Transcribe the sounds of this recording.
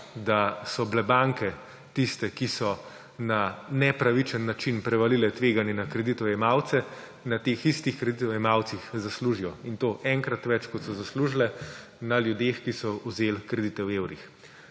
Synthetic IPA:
d̪asɔblɛbaŋkɛ | t̪ist̪ɛkisɔ | nanɛpɾaʋit͡ʃənːat͡ʃinpɾɛʋalilɛt̪ʋeːɡanjɛnakɾɛd̪it̪ɔɛmawt̪sɛ | nat̪exist̪ixkɾɛd̪it̪ɔwjɛmawt̪sixzasluʒijɔint̪oːʔɛŋkɾat̪ʋɛt͡ʃkɔt̪sɔzasluːʒlɛ | naljud̪exkisɔuzelkɾɛd̪it̪ɛweːwɾix

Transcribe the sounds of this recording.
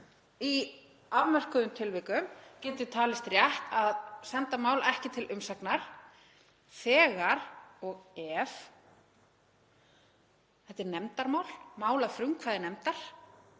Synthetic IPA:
i | avmɛr̥kʏðʏmt̪ʰɪlvɪkʏmcɪnt̪ɪt̪ʰaːlɪst̪ɾjɛht̪aðsɛnt̪amaːwlɛhcɪt̪ʰɪlʔʏmsaknaɾ̥ | θɛːɣaɾɔɣɛːv | θɛht̪ːɪɾnɛmt̪aɾmaːwlmaːwlafɾʏŋkʰvaːðɪnɛmt̪aɾ̥

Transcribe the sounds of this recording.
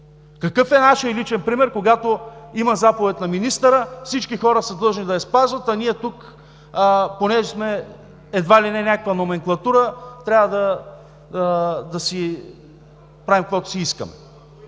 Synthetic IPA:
kɐkɤfɛnaʃəilit͡ʃɛnpɾimɛɾkoɡat̪oimɐzapovɛt̪nɐminist̪əɾəfsit͡ʃkixɔɾəsəd̪ɤlˠʒnid̪ɐɛspazvɐt̪ɐniɛt̪uk | ponɛʒɛsmɛː | d̪valinɛnʲakəkvɐnomɛŋklˠɐt̪uɾət̪ɾʲavəd̪ɐ | d̪ɐsi | pɾavimkvɔt̪ʊ̥siiskə̰mɛ̰

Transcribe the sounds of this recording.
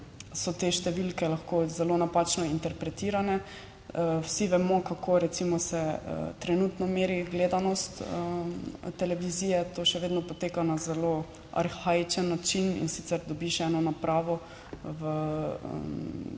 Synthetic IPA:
sɔt̪eʃt̪ɛʋilkɛlaxkozɛlonapat͡ʃnɔint̪ɛɾpɾɛt̪iɾanɛ | wsiʋɛmɔkakʰoɾɛt̪simɔsɛə̰t̪ɾɛnut̪nɔmeːɾiɡleːd̪anɔst̪ət̪ɛlɛʋiziːjɛt̪oːʃɛʋeːd̪nɔpɔt̪eːkanazɛlo | a̰ɾxait͡ʃənːat͡ʃinḭnsit̪sɛɾd̪ɔbiʃɛːnɔnapɾaːʋɔ | ʋə̰ | m

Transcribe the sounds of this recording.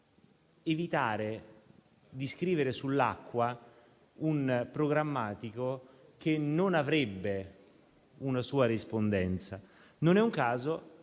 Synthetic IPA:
evit̪aːɾe | d̪iskɾiːveɾesulːa̰kːwa | unpɾoɡɾamːaːt̪ikokenːonavɾebːe | unasuːaɾispond̪ɛnt̪sa | nonɛuŋkaːzo

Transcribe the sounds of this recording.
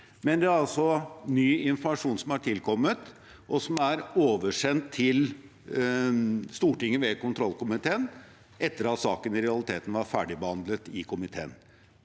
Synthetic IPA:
mɛnd̪ɛæɾɑlsɔnyːɪnfmɑʂuːnsɔmhɑʈʰɪlkʰɔmːət̪ | ʔɔsɔmæɾoːʋəʂɛnt̪ʰːɪl | st̪uːʈɪŋːəʋɛkʊnt̪ʰɾɔlːkʊmɪt̪ʰeːən | ɛt̪ːəɾɑt̪sɑːkənɪɾɛɑlɪt̪ʰeːt̪ən̩ʋɑɾfæːɖɪbəhɑnd̪lət̪ɪkʰʊmɪt̪ʰḛːn

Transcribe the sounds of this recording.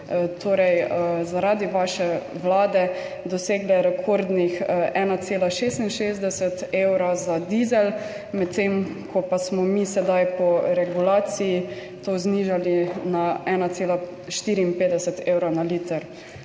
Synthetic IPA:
t̪ʰoːɾɛjzaɾaːd̪iʋaʃɛʋlaːd̪ɛ | d̪ɔseːɡlɛɾɛkʰoːɾd̪nixʔɛːnat̪seːlaʃeːst̪inʃezd̪ɛsɛt̪eːwɾazad̪iːzɛl | mɛt̪ːem | kɔpasmɔmiːsɛd̪ajpɔɾɛɡulaːt̪siji | t̪oːzniːʒalinaɛːnat̪seːla | ʃt̪iːɾiːnpeːd̪ɛsɛt̪eːwɾanaliːt̪əɾ

